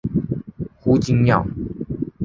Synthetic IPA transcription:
xu˦t͡ɕi˦ŋmja̰˥˨

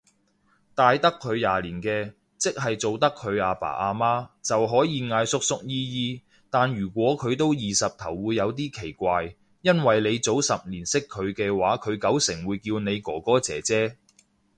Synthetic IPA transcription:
t̪aː˨jt̪ɐ˥kʰːɵ˨˧ɥjaː˨liː˨˩nkɛː˧ | t͡sɪ˥k̚ɦɐ˨jt͡so˨wt̪ɐ˥kʰːɵ˨˧ɥaː˨˧pa̰ː˨˩ʔaː˧maː˥t͡sɐ˨wɦɔː˨˥jiː˨˧ŋaː˧jsʊ˥k̚sʊ˥k̚jiː˥jiː˧ | t̪aː˨njyː˨˩kʷɔː˨˥kʰɵ˨˧ɥt̪o˥wjiː˨sɐ˨p̚t̪ʰɐ˨˩wːuː˨˧jːɐ˨˧wt̪̬iː˥kʰe˨˩jkʷaː˧j | jɐ˥nwɐ˨jle˨˧jt͡so˨˥wsɐ˨p̚liː˨˩nsɪ˥kʰːɵ˨˧ɥkɛː˧waː˨˥kʰɵ˨˧ɥkɐ˨˥wsɪ˨˩ŋwuː˨˧jkiː˧wne˨˧jkɔː˨˩kɔː˥t͡sɛ̰ː˨˥t͡sɛː˥

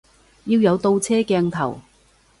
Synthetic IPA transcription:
jiː˧wjɐ˨˧wt̪o˧wt͡sʰɛː˥kɛː˧ŋt̪ʰɐ̰˨˩w

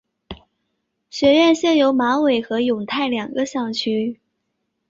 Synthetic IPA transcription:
ɕɥɛ˧˥ɥɛ˥˧nɕjɛ˥˩njo˧˥ʊma˧˥we˨˩ɪxɤ˧˥jʊ˨˩ŋt̪ʰa˥˩ɪljɑ˨˩ŋɡə˦ɕjɑ˥˩ŋt͡ɕʰy˥

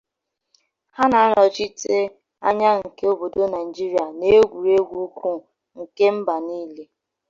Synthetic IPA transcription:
ha˦na˨a˦ɾɔ˨t͡ʃi˦te˦ | a̰˦ɲa˦ŋ̩˨ke˦o˦bo˨do˦na˨i˨d͡ʒi˦ɾi˨a˨ne˦ɡʷu˨ɾe˦ɡʷu˦kʷu˦ | ŋ̩˨ke˦m̩˦ba˨niː˦le˦

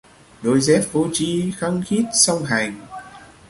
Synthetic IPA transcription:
ɗo˧jzɛ˦˥p̚vo˧t͡ɕi˧xə˧ŋxi˦˥t̚sa˧wŋ͡mɦa˨˩jŋ̟

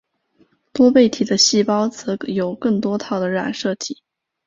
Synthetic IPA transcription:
t̪wɔ˥pe˥˩ɪt̪ʰi˨˩d̪ə˦ɕi˥˩pɑ˥ʊt͡sɤ˧˥jo˨˩ʊkɤ˥˩ŋt̪wɔ˥t̪ʰɑ˥˩ʊd̪ə˩ɻa̰˨˩nʂɤ˥˩t̪ʰi˨˩˦

